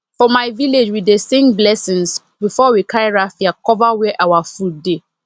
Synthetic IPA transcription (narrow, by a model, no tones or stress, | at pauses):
fɔmaɪviled͡ʒwidesĩŋɡblɛsɪ̃ŋs | bifɔwikʰaɹiɹafiakʰɔvawɛʔawafut̚de